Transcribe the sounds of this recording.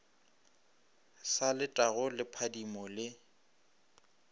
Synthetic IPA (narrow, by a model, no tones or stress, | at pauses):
salɪtʼaɣʊlɪpʰadimɔlɪ